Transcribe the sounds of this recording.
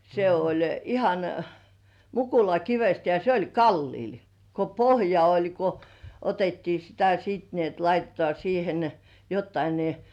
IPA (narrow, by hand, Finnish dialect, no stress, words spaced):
se olʲ ihɑn mukulɑkiʋest jɑ se olʲ kɑlːiːl ko pohjɑ olʲ ko otetːiː sitæ siːt ni et lɑitetŏɑˑ siːhen jotːɑi ni